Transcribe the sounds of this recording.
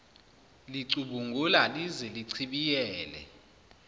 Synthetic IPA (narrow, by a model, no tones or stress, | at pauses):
liǀuɓuŋɡʱulalizɛliǀʰiɓijɛːlɛ̰